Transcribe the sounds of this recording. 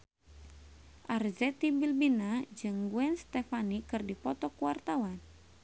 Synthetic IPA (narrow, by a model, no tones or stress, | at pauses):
ʔarzɛt̪ibilbinad͡ʒɨŋɡuɛnst̪ɛfanikɨrdipɔt̪ɔkuart̪awan